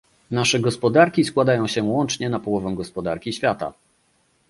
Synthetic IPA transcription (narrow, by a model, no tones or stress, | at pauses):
naʂɛɡɔspɔd̪aɾkʲiskwad̪ajɔ̃w̃ɕɛwɔnt͡ʂɲɛnapɔwɔvɛw̃ɡɔspɔd̪aɾkʲiɕfʲjat̪a̰